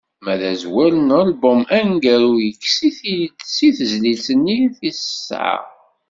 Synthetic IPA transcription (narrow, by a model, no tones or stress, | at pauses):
mæðæzwælənəlbəmænɡæɾujəkːsiθisiθəzlilsənːiθisə̥sːʕa̰